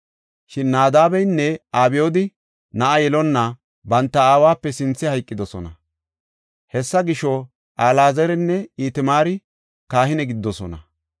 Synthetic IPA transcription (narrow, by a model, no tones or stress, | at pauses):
ʃɪnːaːd̪aːbɛjnːɛaːbɪjoːd̪ɪ | nɐʔɐjɛlɔnːɐ | bɐnt̪ːɐaːwaːpːɛsɪnt͡sːɪhɐjkʼːɪd̪ɔsɔnɐ̰ | hɛsːɐɡɪʃɔ | ʔaːlaːzɛɾɛnːɛiːt̪ɪmaːɾɪ | kaːhɪnɛɡɪd̪ːɔsɔnɐ̰